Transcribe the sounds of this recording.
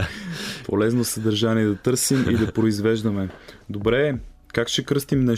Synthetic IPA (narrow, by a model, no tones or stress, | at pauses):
pʰolɛznosəd̪əɾʒaniɛd̪ɐt̪ɤɾsimʔḭd̪ɐpɾoizvɛʒd̪əmɛd̪obɾɛ | kakʃɛkɾɤst̪imnɛ